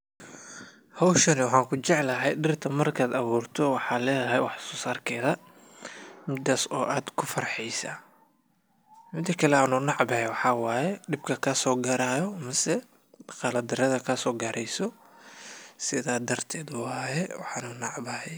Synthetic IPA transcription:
hɔwʃɐnɪwɑħɑːŋkʰʊt͡ʃɛʕlɐɦɛjɖɪrt̪ʰɐmɐrkʰaːd̪ɐβuːrt̪ʰɔwɑħɑːlɛːðɐɦɛjwɑħsɔːsaːrkʰɛːðɐ | mɪd̪aːsɔːʔaːd̪kʰʊfɐrħɛjsaː | mɪd̪ɐkʰɐlɛaːnuːnɑʕbɐhɛwɑħɑːwaːjɛɖɪbkʰɐkʰɐsɔːɡɐɾaːjɔmɐsɛ | ɖɑqɑːlɐd̪ɪɾɐðɐkʰɐsɔːɡɐɾʔɛjsɔ | sɪðaːd̪ɐrt̪ʰɛːd̪ʊhaːjɛwɑ̰ħɑːnunɑʕbɐhɛj

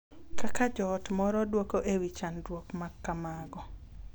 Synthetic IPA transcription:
kakad͡ʒɔtmɔɾɔdwokoʔewit͡ʃandwokmakːamaɡɔ

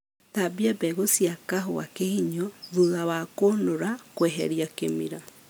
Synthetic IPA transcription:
tabiabɛɣosiakaɦoa̰kehiɲɔðuðawakonoɾakwɛɦɛ̰ɾiakemḭɾa

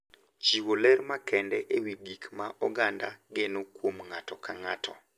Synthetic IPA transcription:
t͡ʃiwolɛɾmakɛndɛʔewiɡikmaʔɔɡanda̰ɡenokwomŋatɔkaŋatʰɔ

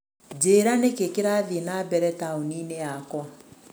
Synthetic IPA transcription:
d͡ʒeːɾanekekeɾaːðienabɛɾɛtaonineakwa

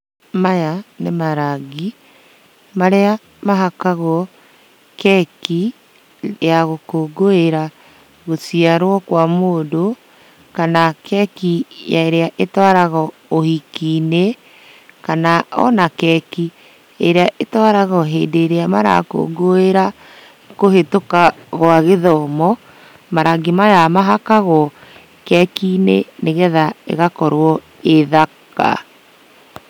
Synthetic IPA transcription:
majanemaɾaɡi | maɾea | maɦakaɣɔ | kɛki | jaɣokoːɡoeɾa | ɣosiaɾwɔkwamoːdo | kanakɛkijaeɾeaʔetwaɾaɣɔ | ohikiːne | kanaɔ̰nakɛki | eɾeaʔetwaɾaɣɔɦḛːdeɾeamaɾa̰ko̰ɡoeɾa | kohetokaɣoaɣeðɔmɔ | maɾaɡemajamaɦakaɣɔ | kɛkineneɣɛðaḛɣakɔɾwɔ | eðaka̰

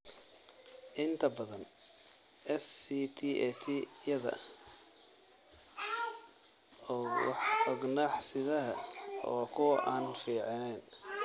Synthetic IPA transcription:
ʔɪnt̪ʰɐbɐðɐn | ɛsit̪ʰiːɛt̪ʰijɐðɐ̰ | ɔːwɑ̰ħɔɡnaːħsɪðɐɦɐɔːkʰʊwʔaːnfiːʕɪnɛn

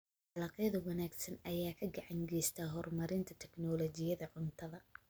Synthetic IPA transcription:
ħɑlɑqjɐðɐwɑnaːɡsɐnɐjaːkʰɐɡɐʕɑŋɡɛjst̪ʰɐːɦɔrmɐɾɪnt̪ʰɐt̪ʰɛɡnɔːlɔːt͡ʃɪjɐðɐʕʊnt̪ʰɐðɐ

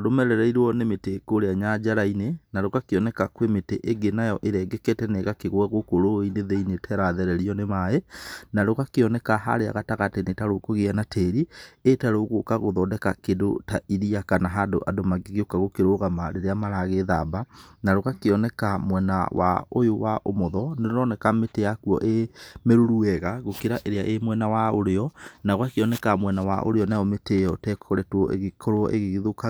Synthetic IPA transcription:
ɾomɛɾɛɾɛiɾwɔnemetekoɾeaɲad͡ʒaɾainenaɾoɣakeɔnɛkakwemeteʔeɡenajɔʔeɾɛɡɛkɛtɛneɣakeɣwɛɣokoɾoineðeinetʰɛɾaðɛɾɛɾiɔnemaenaɾoɣakeɔnɛkaɦa̰ɾea̰ɣataɣatenetaɾokoɣeanatʰeːɾietaɾoɣokaɣoðɔdɛkakedo̰taʔiɾiakanaɦadoʔa̰domaɡeɣeokaɣokeɾoɣamaɾeɾeamaɾaɣeðabanaɾoɣakeɔnɛkamwɛna̰wa̰ojowaʔomoðɔneɾonɔnɛkameteakuɔ̰ʔemeɾuɾuɛɣaɣokeɾaʔeɾeaʔemwɛnawaoɾeɔnaoɣakeɔnɛkamwɛnawa̰ʔo̰ɾeɔnaɔmetejɔtɛkʰoɾɛtwɔʔḛɣekʰɔɾoɔ̰ʔeɣeɣeðoka

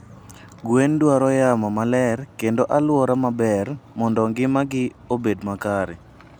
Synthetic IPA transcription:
ɡwendwaɾɔjamɔmalɛrkendoʔalwɔɾamabɛrmɔndɔŋɡɪmaɡɪ | obedmakaɾɪ

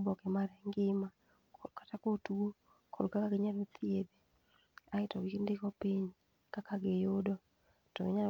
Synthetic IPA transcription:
bɔkɛmaɾɛŋɡɪma | kʰɔdkatakotuo | kʰɔdkakaɡɪɲalot̪ʰied̪e | aɪtɔwikindɪkɔpiɲ | kakaɡejodɔ | tɔɡɪɲa

